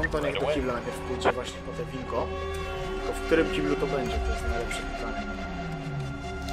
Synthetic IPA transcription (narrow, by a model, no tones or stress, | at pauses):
ɔnt̪ɔɲakt̪akʲivlɛnajpʲɛɾfpult͡sɛvwaɕɲɛpɔt̪ɛpʲiŋkɔ | pɔfk̚t̪uɾɘmt͡ɕʲibʲjʲut̪ɔbɛɲd͡ʑɛt̪ɔjɛst̪najlɛpʂɛpiplaɲɛ | ɛ